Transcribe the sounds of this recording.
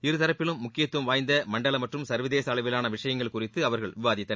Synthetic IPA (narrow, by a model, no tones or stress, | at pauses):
ɪɾɯt̪ɐɾɐpːɪlɯmːʊkːɪjɐt̪ːuɐmʋaːjnd̪ɐmɐɳɖɐɭɐmɐʈrɯmsɐɾʋɪðeːsɐːɭɐʋɪlaːnɐʋɪʂɐjɐŋɡɐɭkʊrɪt̪ːɯɐʋɐɾɣɐɭʋɪʋaːðɪt̪ːɐ